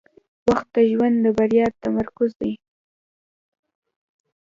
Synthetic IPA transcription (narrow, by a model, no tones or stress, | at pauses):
waxt̪ːaʒwand̪d̪əbaɾjɑt̪amaɾkʊzd̪aj